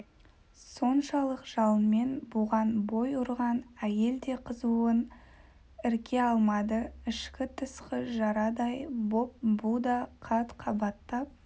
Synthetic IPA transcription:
so̞nʃɑlˠəqʒ̥ɑlˠənme̞nbuʁɑnbo̞jʊɾʁɑnæje̞ld̪e̞qʰəzuən | ɪɾkʲʰe̞ɑlˠmɑd̪əɪʃkʲɪt̪ʰəsqəʒɑɾɑd̪ɑjbo̞p̚bud̪ɑqʰɑt̪qʰɑbɑt̪ːɑp̚

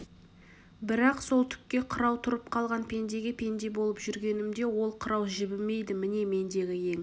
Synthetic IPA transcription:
bɪɾɑqso̞lˠt̪ʰʏ̥kʲːe̞qʰəɾɑwt̪ʰʊɾəp̚qʰɑlˠʁɑnpʰe̞nd̪e̞ɡʲepʲʰe̞nd̪e̞bo̞lˠəpʒʏɾɡʲe̞nɪmd̪e̞wo̞lˠqʰəɾɑwʒɪbɪme̞jd̪ɪmɪne̞me̞nd̪e̞ɡʲɪje̞ŋ

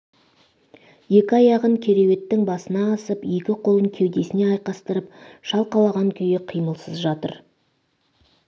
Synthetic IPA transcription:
je̞kʲɪɑjɑʁəŋkʲʰe̞ɾe̞we̞t̪ːɪŋbɑsənɑːsəpje̞kʲɪqʰo̞lˠəŋkʲʰe̞wd̪e̞sɪne̞ɑjqɑst̪əɾəpʃɑlˠqɑlˠɑʁɑŋkʲʰʏjeqʰijməlˠsəzʒɑt̪ə̰ɾ

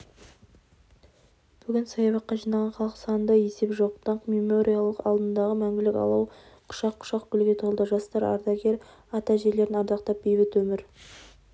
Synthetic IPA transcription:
b̥ʏɡʲɪnsɑjɑβɑt̚qːɑʒijnɑlʁɑnχɑlˠəqə̥sɑnənd̪ɑje̞se̞pʒo̞qt̪ɑɴqmemo̞ɾʔijalˠəqɑ̰lˠd̪ənd̪ɑʁəmæŋɡʲɪlɪkʲɑ̰lˠɑw | qʰʊ̥ʃɑqʰːʊ̥ʃɑqkʲʏlɡʲe̞t̪ʰo̞lˠd̪əʒɑst̪ɑɾɑ̰ɾd̪ɑɡʲe̞ɾ | ɑt̪ɑʒe̞ɾle̞ɾɪnɑɾd̪ɑqt̪ɑp̚bejbɪt̪wɵmɪɾ

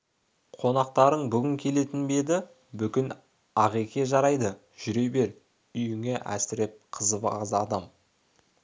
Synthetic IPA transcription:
qʰo̞nɑq̚t̪ɑɾəɴbʏɡʲɪŋkʲʰe̞le̞t̪ɪnbe̞d̪ɪ | bʏkʲɪn | ɑʁekʲe̞ʒɑɾɑjd̪ə | ʒ̥ʏɾe̞jbe̞ɾ | ʏjɪŋe̞ʔæ̰sɪɾep̚qʰəzəbɑʁzɑd̪ɑm

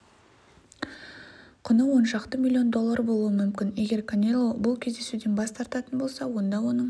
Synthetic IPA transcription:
qʰʊnəwo̞nʃɑqt̪əmʲilʲːijo̞nd̪o̞lˠːaɾbo̞lˠuəmʏmkʲɪne̞ɡʲe̞ɾkʰonʲelˠobʊlˠkʲʰe̞zd̪e̞sud̪enbɑst̪ʰɑɾt̪ɑt̪ənbo̞lˠsɑwo̞nd̪ɑwo̞nəɴ

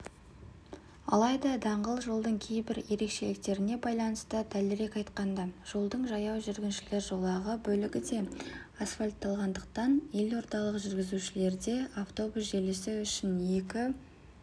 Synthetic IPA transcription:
ɑ̰lˠɑjd̪ɑd̪ɑɴʁəlˠʒolˠd̪əɴkʲʰe̞jbɪɾje̞ɾe̞kʃe̞lɪk̚t̪e̞ɾɪne̞bɑjlˠɑnəst̪əd̪ælɪɾe̞kʲɑjt̪qɑnd̪ɑʒ̥o̞lˠd̪əɴʒɑjɑwʒʏɾɡʲɪnʃɪle̞ɾʒo̞lˠɑʁəbɵlɪɡʲɪd̪e̞asfalʲt̪ːɑlˠʁɑnd̪əq̚t̪ɑnje̞lo̞ɾt̪ɑlˠəqʒʏɾɡʲɪzuʃɪle̞ɾd̪e̞aft̪o̞busʒe̞lesɪʏʃɪnje̞kʲɪ

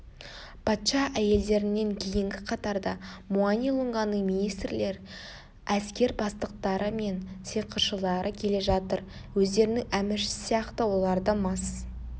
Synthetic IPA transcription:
pʰɑt̪ʃɑʔæje̞ld̪e̞ɾɪnːe̞ŋkʲʰejɪŋɡʲɪqʰɑt̪ɑɾd̪ɑmuɑnijlˠʊɴʁɑnəminijst̪ɾle̞ɾ | æskʲe̞ɾbɑst̪əq̚t̪ɑɾəme̞nseqʰəʃəlˠɑɾəkʲʰe̞le̞ʒɑt̪əɾ | wɵzd̪e̞ɾɪnɪŋæmɪɾʃɪɪsijɑqt̪əwo̞lˠɑɾd̪əmɑs

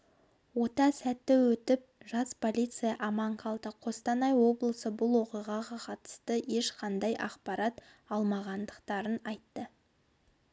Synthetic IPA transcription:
wo̞t̪ɑsæt̪ːɪwɵt̪ɪp̚ʒɑspʰo̞lʲijt̪sɨijɑʔɑmɑɴqʰɑlˠt̪əqʰo̞st̪ɑnɑjwo̞blˠəsəbʊlˠwo̞qijʁɑʁɑqʰɑt̪ə̥st̪əje̞ʃqʰɑnd̪ɑjʔɑ̰qpɑɾɑt̪ | ɑlˠmɑʁɑnd̪əqt̪ɑɾənɑjt̪ːə

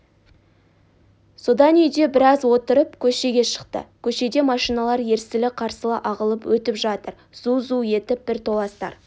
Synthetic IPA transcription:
so̞d̪ɑnʏjd̪e̞bɪɾɑzwo̞t̪əɾəpkʲʰɵʃe̞ɡʲe̞ʃə̥qt̪ə̰kʲʰɵʃe̞d̪e̞mɑʃijnɑlˠɑɾje̞ɾsɪlɪqʰɑɾsəlˠɑʔɑʁəlˠəpwɵt̪ɪpʒɑt̪əɾ | z̥uzuje̞t̪ɪp̚b̥ɪɾt̪ʰo̞lˠɑst̪ɑ̰ɾ

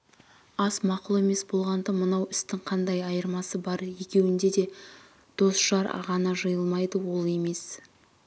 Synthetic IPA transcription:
ɑsmɑqʊlˠe̞me̞sbo̞lˠʁɑnd̪ɑmənɑwɪst̪ɪŋqʰɑnd̪ɑjɑjəɾmɑsəbɑɾje̞kʲe̞wɪnd̪e̞d̪e̞ | d̪̥o̞sʃɑɾɑ̰ʁɑnɑʒəjəlˠmɑjd̪əwo̞lˠe̞me̞s

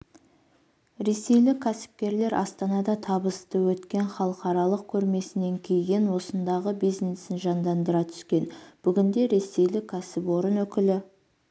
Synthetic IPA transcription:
ɾe̞se̞jlɪkʲʰːæsɪ̥p̚kʲe̞ɾle̞ɾʔɑ̰st̪ɑnɑd̪ɑt̪ʰɑbəst̪əwɵt̪kʲe̞ɴχɑlˠəqɑɾɑlˠəq̚kʲʰɵɾme̞sɪne̞ŋkʲʰejɡʲe̞nwo̞sənd̪ɑʁəbijznesɪnʒɑnd̪ɑnd̪əɾɑt̪ʰʏ̥skʲe̞nb̥ʏɡʲɪnd̪e̞ɾe̞se̞jlɪkʲʰːæsɪpwo̞ɾənwɵkʲɪlɪ

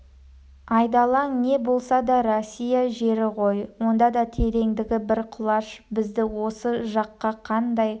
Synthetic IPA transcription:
ɑjd̪ɑlˠɑŋne̞bo̞lˠsɑd̪ɑɾosʲːijaʒe̞ɾɪqʰo̞jwo̞nd̪ɑd̪ɑt̪ʰe̞ɾe̞ŋd̪ɪɡʲɪbɪɾqʰʊlˠɑʃbɪzd̪ɪwo̞səʒɑqːɑqʰɑnd̪ɑj

